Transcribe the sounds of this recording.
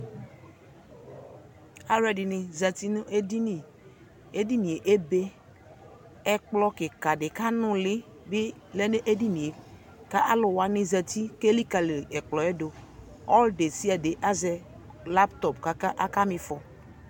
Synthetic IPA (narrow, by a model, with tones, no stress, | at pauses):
a˦ɾɛ˨dɪ˨nɪ˨za˨ti˦nʊ˦ʔe˦di˦ni˨ | e˦di˦ni˨e˨ʔe˦be˦ | ɛ˦k͡plɔ˦kɪ˨ka˨dɪ˨ka˦nʊ̃˦lɪ˦ | bɪ˦ | lɛ˦ne˦ʔe˦di˦ni˨e˨ | ka˦ʔa˦lʊ˨wa˨nɪ˦zɛ˨t̪i˦ke˦li˦ka˨lɪ˨ɛ˨k͡plɔ˨ɛ˦do˨ | ɔ˦lde˨si˦a˨de˨ʔa˦zɛ˨ | la˦pt̪ɔ˨pka˨ka˦ʔa˦ka˦mɪ˨fɔ˨